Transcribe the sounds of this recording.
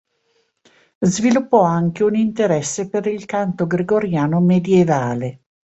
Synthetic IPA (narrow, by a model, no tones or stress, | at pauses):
zvilupːɔaŋk̟eunint̪eɾɛsːepeɾilkant̪oɡɾeɡoɾjaːnomed̪jevaːle